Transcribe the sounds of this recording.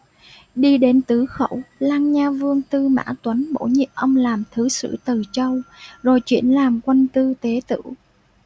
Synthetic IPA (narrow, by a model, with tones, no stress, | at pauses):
ɗi˧ɗe˨˦nt̪ɨ˨˦xə̰˧˩wlaː˧ŋɲaː˧vɨ˧əŋt̪ɨ˧ma̰ː˧˥t̪wə˨˦nɓo̰˧˥˩ɲḭ˧˨əp̚ʔə˧wŋ͡mlaː˨˩mt̪ʰɨ˨˦sɨ̰˧˥t̪ɨ˨˩t͡ɕə˧wzo˨˩jt͡ɕwḭ˧˩ənlaː˨˩mkwə˧nt̪ɨ˧t̪e˨˦t̪ɨ̰˧˥